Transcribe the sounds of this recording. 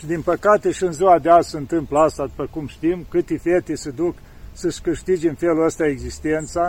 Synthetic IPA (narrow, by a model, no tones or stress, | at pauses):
ʃid̪inpəkat̪e̞ʃiɨnziad̪eazsəɨnt̪ɨmplast̪ad̪upəkumʃt̪imkɨt̪efet̪esəd̪uk | səʃkɨʃt̪id͡ʒɨnfe̞luəst̪aeɡzist̪e̞nt̪sa